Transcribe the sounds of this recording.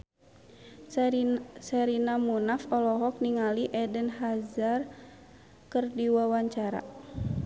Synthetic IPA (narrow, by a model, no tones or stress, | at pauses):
sɛɾinamunafɔlɔɦɔk̚niŋaliʔɛdənɦazar | kərdiwawaɲt͡ʃaɾa̰